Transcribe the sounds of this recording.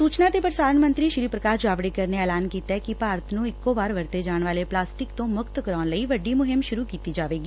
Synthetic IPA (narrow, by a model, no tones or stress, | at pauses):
suːt͡ʃnaːt̪eːpəɾɪsaːɾəɳmənt̪ɾiːʃɾiːpɾəkaːɾd͡ʒaːʋɽɪkəɾneɛːlaːnkiːt̪ɛːkɪpaːɾət̪nũːɪkːoːbaːɾʋəɾt̪eːd͡ʒaːɳʋaːleːplaːsʈɪkt̪õːmʊkt̪kəɾɔːnləiːʋəɖiːmʊɦɪmʃʊɾuːkiːt̪iːd͡ʒaːʋeːɡiː